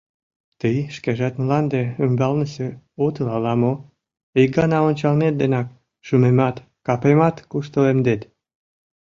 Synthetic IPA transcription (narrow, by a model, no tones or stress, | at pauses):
t̪əjʃkeʒɑt̪mlɑnd̪eymbɑlnəse | ot̪əlɑlɑmo | iɡɑnɑonʲt͡ɕɑlnet̪̚d̪enɑk̚ | ʃumemɑt̪ | kɑpemɑt̪kuʃt̪əlemd̪et̪